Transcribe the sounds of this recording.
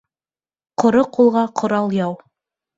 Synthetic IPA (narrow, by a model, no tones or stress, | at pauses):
qŏɾoqulˠʁɑqʰŏɾɑlˠjɑw